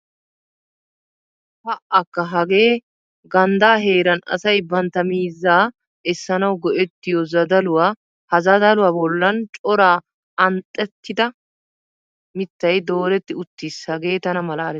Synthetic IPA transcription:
hɐʔɐkːɐɦɐɡe̞ː | ɡɐnd̪aːɦe̞ːɾɐnɐ̰sɐjbɐnt̪ɐmiːzːaː | ɛsːɐnɐwɡɔʔɛt̪ːɪjɔzɐd̪ɐlʊwaː | hɐzɐd̪ɐlʊwaːbɔlːɐnt͡ʃʼɔɾaː | ɐnt̪ʼːɛt̪ːɪd̪ɐ | mɪt̪ːɐjd̪o̞ːɾɛt̪ːɪʊt̪ːishɐɡe̞ːt̪ɐnɐmɐlaːɾɛ

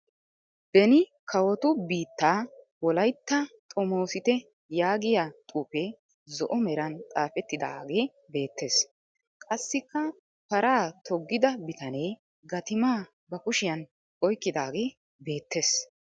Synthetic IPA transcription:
b̪̥ɛnɪ | kʰɐwɔt̪ʊbiːt̪ːaː | wɔlɐjt̪ːɐt̪ʼɔmo̞ːsɪt̪ɛ | jaːɡɪjat̪ʼuːpɛ | zɔʔɔmɛɾɐnt̪ʼaːfɛt̪ːɪd̪a̰ːɡe̞ː | be̞ːt̪ːe̞ːs | kʼɐsːɪkːɐ | pɐɾaːt̪ʰɔɡːɪd̪ɐbɪt̪ɐneː | ɡɐt̪ɪmaː | bɐkʊʃɪjɐn | ɔjkːɪd̪aːɡe̞ː | be̞ːt̪ːe̞ːs

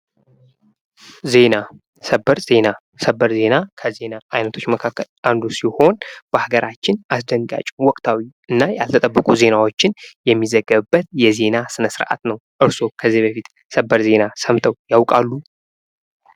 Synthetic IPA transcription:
ze̞na | səbːəɾze̞na | səbːəɾze̞nakʰəze̞naʔajnət̪ʰo̞t͡ʃːməkʰakːəlʔand̪usiho̞nb̥əhaɡəɾʔat͡ʃːɪnʔasd̪əŋɡa̰t͡ʃʼwɔkʼt̪ʰawiʔɨnːajalt̪ʰət̪ʼəbːəkʼuze̞nawo̞t͡ʃːɪnjɛmːizəɡːəβɨbːət̪jɛze̞nasɨnəsɨɾʔa̰t̪nəwʔɨɾso̞kʰəzːibəfit̪ | səbːəɾze̞nasəmt̪ʰʼəwjawkʼalːu

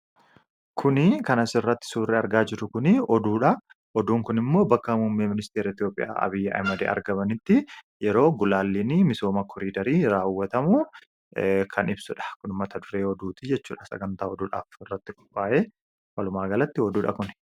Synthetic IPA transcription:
kʰʊnɪkɐnɐsɪrːɐt̪ːɪ̥suːrːɛɐɾɡaːd͡ʒɪɾʊkʊnɪɔd̪uːᶑɐ | ʔɔd̪uːŋkʊnɪmːo̞ːbɐkːɐmʊmːeːmɪnɪst̪eːɾɐɪt̪ijo̞ːpʼːɪ̰ja̰ːʔɐ̰bɪjːɐʔɐ̰jmɐd̪ḛːʔɐ̰ɾɡɐmɐnɪt̪ːɪ | jɛɾo̞ːɡʊlaːlːinɪmɪso̞ːmɐkʰɔɾiːd̪ɐɾiːɾaːwːɐt̪ɐmʊ | kʰɐnɪbsʊᶑɐ̥kʊnɪmːɐt̪ɐd̪ʊɾeːɔd̪uːt̪ɪd͡ʒɛt͡ʃːuːᶑɐsɐ̰ɡɐnt̪aːɔd̪uːᶑa̰ːfɪrːɐt̪ːɪkʼʊ̥pʼːaːʔeː | wɐlʊmaːɡɐlɐt̪ːɪɔd̪uːᶑɐkʊn

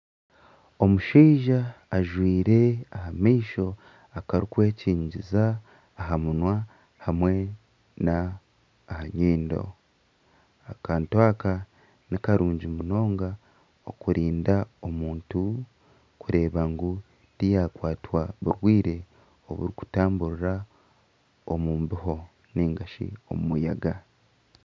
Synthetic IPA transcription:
o̞muʃiːʒaːʒwiːɾe̞ahamiːʃo̞ | akaɾikwe̞ːciːɲɟizaː | ɦamunwa | hamwe̞ | naː | haɲiːndo̞̰ | akaːntwaːka | nikaɾuːɲɟimuno̞ːŋɡa | okuɾʔiːndao̞muːntu | kuɾe̞ːβaŋɡu | ɾijaːkwaːtwaβuɾwiːɾe̞ | o̰βṵɾiku̥taːmbuɾiɾa | omuːmbiɦo̞ | niːŋɡaʃḭo̞̰mumujaɡa

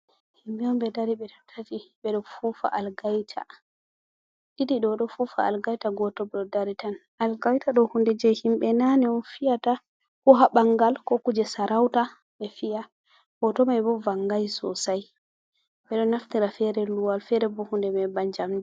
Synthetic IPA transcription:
himbɛɔmbɛdaɾiɓɛtɔtʰatiɓɛɗɔfufa̰ʔalɡajtʰa̰ | ɗidiɗɔɗɔfufa̰alɡajtaɡɔtɔbɛɗɔdaɾitan | alɡajtaɗɔhundɛd͡ʒɛjhimɓɛnaniɔnfijata | kɔɦaɓaŋɡalkɔkud͡ʒɛsaɾawta | ɓɛfija | ɡ̥ɔtɔmajbɔvaŋɡajsɔ̰saj | ɓɛɗɔnaftiɾafɛɾɛluwalfɛɾɛbɔhundɛmɛbaɲd͡ʒamdɛ

